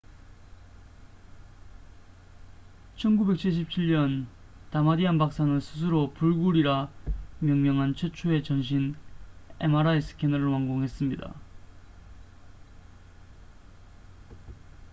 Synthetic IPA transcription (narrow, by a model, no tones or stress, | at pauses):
t͡ɕʰʌnɡube̞k̚t͡ɕʰiɭɕ̬ʰip̚t͡ɕʰiɭɲʌn | tamadianbak̚s͈anɯnsʰɯs̬ʰɯɾopuɭɡuɾiɾamjʌŋmjʌŋɦant͡ɕʰet͡ɕʰue̞t͡ɕʌnɕ̬ʰin | ḛmaɾaes͈ʰɯ̥kʰenʌɾɯɭwaŋɡoŋɦe̞s͈ɯmɲida̰